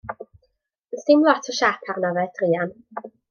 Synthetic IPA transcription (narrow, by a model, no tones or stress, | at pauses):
ənstɪmlˠɔtʰɔʃapʰarnavɛd̥riːan